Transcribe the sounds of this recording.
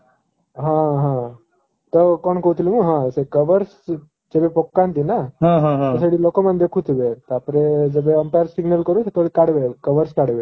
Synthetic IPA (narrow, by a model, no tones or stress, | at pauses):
ɦãɦã | t̪əkɔɳkot̪liməɡɦãəsekəʋəɾs | d͡zebepɔkːãnt̪inaɦãɦãɦ̪əsaɽiːlokomənd̪ʱjekʰut̪ʰubet̪əapɾed͡zəbeəmpajəɾsiɡnəlkəɾut̪et̪oekaɽʋekəʋəɾskaɽʋe